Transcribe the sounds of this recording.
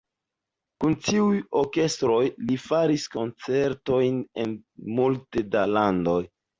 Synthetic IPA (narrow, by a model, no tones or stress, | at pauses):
kuntiujo̞ɾke̞stɾo̞jlifaɾisko̞nt͡se̞ɾto̞jne̞nmulte̞dalando̞j